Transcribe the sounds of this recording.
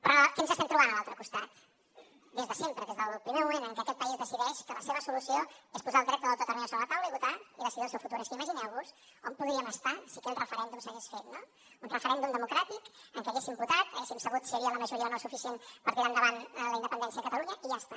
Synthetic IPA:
pɾɔkemzəst̪ɛmt̪ɾuβanəlalˠt̪ɾəkust̪at̪̚ | d̪ezðəsempɾəðezðəlˠpɾimemumẽnt̪əŋkɛəkɛt̪̚pəizðəsiðɛʃkələseβəsulusioespuzalˠd̪ɾɛk̚t̪əðəlt̪ot̪əlminəsoβɾlət̪awləiβut̪aiðəsiðilˠsɛwfut̪uɾɛskiməʒinɛwβus | ɔmpuðɾiəməst̪asikɛt̪rəfəɾɛnd̪umsəɣesfet̪no | unrəfəɾɛnd̪umd̪əmukɾat̪ikəŋkɛəɣesimbut̪at̪əɣesimsəɣut̪səɾiələməʒuɾiəðənɔst̪ufisenpəɾk̪iɾand̪əβanləind̪əpənd̪ɛnsiəðəkət̪əluɲəiʒast̪a

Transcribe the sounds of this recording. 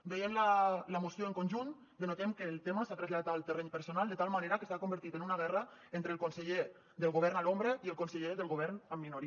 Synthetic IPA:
bejemlələmosjoəŋkonʲʒun | d̪ənot̪emkəlˠt̪eməsat̪ɾəzʎaðat̪alˠt̪ərɛɲpəɾsonalˠd̪ət̪alˠmaneɾəkəsakombəɾt̪it̪enunaɣ̞ɛrəent̪ɾəlkonsəʎe | ðəlˠɣoβ̞ɛɾnalombɾəiəlˠkonsəʎeðəlˠɣoβ̞ɛɾnəmːinoɾi

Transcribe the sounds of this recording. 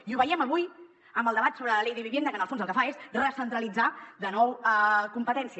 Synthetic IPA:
iuβəiəməβuj | əmbəlˠd̪əβat̪soβɾələlejðəβiβend̪əkənəlˠfonzəlˠkəfaesrəsənt̪ɾəlid͡zaðənɔwəkumpət̪ɛnsiə

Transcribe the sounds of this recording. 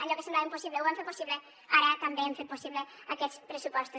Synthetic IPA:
ɐʎɔkesemblaemposiβlewaɱfet̪posiβle | aɾɐt̪ambeeɱfet̪posiβle | akɛt̪t͡spɾəsupɔst̪u

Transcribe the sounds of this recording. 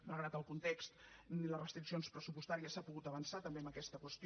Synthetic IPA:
malˠɣɾat̪əlˠkunt̪ekst̪nilərəst̪ɾiksionspɾəsupust̪aɾiəsapuɣut̪əβənsat̪əmbeəmbəkɛst̪əkwəst̪

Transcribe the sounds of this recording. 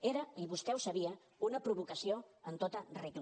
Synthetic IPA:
eɾəiβusk̪ɛwsəβ̞iə | unəpɾuβ̞ukəsioənt̪ot̪əreɣl

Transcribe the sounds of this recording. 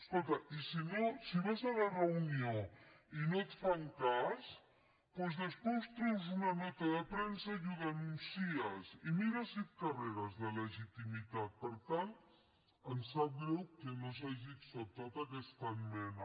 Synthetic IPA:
skolˠt̪ɐʔisinosiβazalarəunioinot̪faŋkas | pɔzðəspost̪ɾuwz̬unanɔt̪aðəpɾensajuðanunsiasimiɾasit̪kareɾazðələʒit̪imit̪at̪̚pəɾt̪ant̪ | ənsabewkenos̬aʒiksot̪at̪akest̪anmen

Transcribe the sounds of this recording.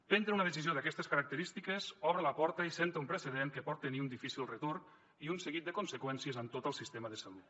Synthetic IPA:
pent̪ɾeunəðəsizioðəkɛst̪əskəɾɐk̚t̪əɾist̪ikəzɔβɾələpɔɾt̪əisent̪əumpɾəsəðeŋkəpɔt̪ːəniunifisilˠrət̪orn | iunsəɣit̪̚d̪əkunsəkwɛnsiəzənt̪ot̪əlˠsist̪eməðəsəlut̪

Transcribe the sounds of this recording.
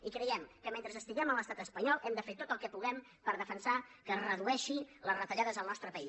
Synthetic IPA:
ikɾəjɛmkəment̪ɾəzəst̪iɣɛmələst̪at̪əspəɲɔlˠʔɛmd̪əfeɾt̪ot̪əlˠkɛpuɣɛm | pəɾðəfənsakərəðuɛʃiləzrət̪əʎaðəzəlˠnɔst̪ɾəpəi

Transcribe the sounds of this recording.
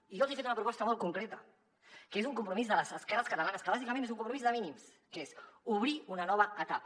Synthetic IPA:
iʒɔlˠzefet̪unəpɾupɔst̪əmɔl̚ˠkuŋkɾet̪ə | kezuŋkumpɾumizðələzəskɛrəskət̪əlanəskəβazikəmẽnezuŋkumpɾumizðəminims | kezuβ̞ɾiunənɔβ̞əət̪ap

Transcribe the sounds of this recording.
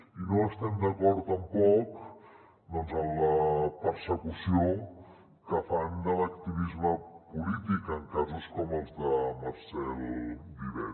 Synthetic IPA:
inoəst̪ɛmd̪əkɔɾt̪əmpɔk | d̪ɔnzəmləpəɾsəkusio | kəfand̪ələk̚t̪iβizməpulit̪ikəŋkazuskɔməlˠzðəməɾsɛlˠd̪iβɛ̰

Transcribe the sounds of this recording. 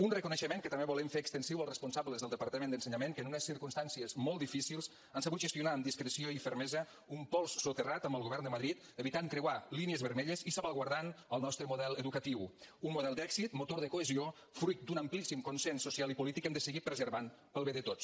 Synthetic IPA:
unrəkunəʃəmeŋkət̪əmbeβɔlɛmfeəkst̪ənsiwəlˠrəspunsabləzðəlˠd̪əpaɾt̪əmẽnd̪ənsəɲameŋkənunəsiɾkunst̪ansiəzmɔlˠt̪d̪ifisilˠs | ansəβut̪ʒəst̪iunaəmd̪iskɾəsioifəɾmɛzə | umpɔlˠsːut̪ərat̪əmbəlˠɣoβɛɾrnd̪əməðɾit̪ | əβit̪aŋkɾewaliniəzβəɾmeʎəzisəβaɣwaɾðanəlˠnɔst̪ɾəmuðɛlˠəðukət̪iwunmuðɛlˠd̪ɛkzit̪mut̪oɾðəkoəzio | fɾujt̪̚d̪unəmplisimkunsɛnsusialˠipulit̪ikɛmd̪əsəɣipɾəzəɾβan | pəlˠβeðət̪ot͡ss

